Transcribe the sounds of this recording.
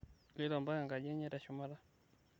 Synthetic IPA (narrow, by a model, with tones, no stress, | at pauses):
li˦lɔ˨mba˦ja˨ŋɡa˨ʄɛ˦ɲɛ˦ɾa˨ʃuma˦ɾa˦